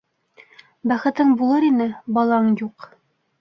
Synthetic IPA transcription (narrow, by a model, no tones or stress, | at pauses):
bæχɘ̆t̪ɘɴbulˠɤɾinɘbɑlˠɑɤɴjuq